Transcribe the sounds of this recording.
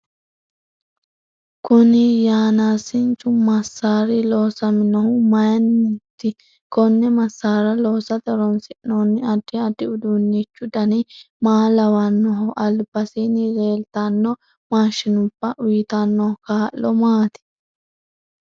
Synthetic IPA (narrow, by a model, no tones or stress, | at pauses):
kʊnɪjaːnaːsɪnt͡ʃʼːʊmɐsːaːɾɪloːsɐmɪnɔhʊmɐjɐnːɛt̪ːɪ | kɔnːɛmɐsːaːɾɐloːsɐd̪ɐɾɔnsɪʔnːoːnːɪɐd̪ːɪɐd̪ːɪʊd̪unːit͡ʃːʊd̪ɐnɪ | maːlɐwɐnːɔɦʊʔɐlbɐsinɪɾe̞ːlt̪ɐnːɔ | maːʃɪnʊb̥ːɐʔʊjɪt̪ɐnːɔkaːʔːɔmaːt̪ɪ̥